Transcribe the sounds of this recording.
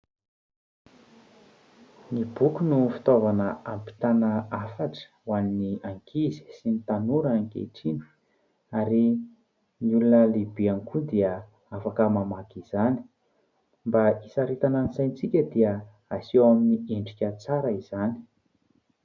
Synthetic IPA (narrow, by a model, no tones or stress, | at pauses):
nibukunufi̥t̪ovanəampi̥t̪anəafaʈ͡ʂə̥waniniaŋkʰizi̥sinit̪anuɾaŋkḛʈ͡ʂinu̥ | aɾi | niulunəlibianikud̪iə | afakəmamaɡiz̥ani̥ | mbaisaɾit̪ananisajnt͡sikʲəd̪iə | aseaminieɳɖ͡ʐikʲət͡saɾəiz̥ani̥